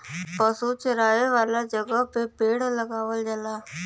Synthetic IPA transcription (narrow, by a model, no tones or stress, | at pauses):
pəsut͡ʃəɾaːeʋaːlad͡ʒəɡəɦpepeːɽləɡaːʋəld͡ʒəlaː